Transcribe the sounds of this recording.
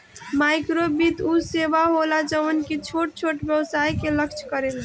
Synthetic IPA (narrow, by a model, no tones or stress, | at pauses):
majkɾobit̪usebaɦolad͡ʒəənket͡ʃʰoʈ̚t͡ʃʰoʈbjəwsaikeləkt͡ʃʰkəɾel